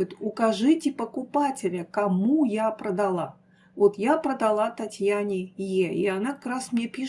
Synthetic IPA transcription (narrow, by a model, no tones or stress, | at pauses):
t̪ʊkɐʐɨtʲɪpəkʊpatʲɪlʲəkɐmujapɾəd̪ɐlˠa | vot̪japɾəd̪ɐlˠat̪ɐtʲjanʲɪjeɪɐnakɐkɾasmnʲepʲiʂ